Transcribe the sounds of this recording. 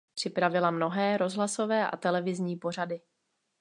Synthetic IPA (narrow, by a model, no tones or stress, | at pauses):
pr̥ɪpɾavɪlamno̞ɦɛːɾo̞zɦlaso̞vɛːʔa̰t̪ɛlɛvɪzɲiːpo̞r̝adɪ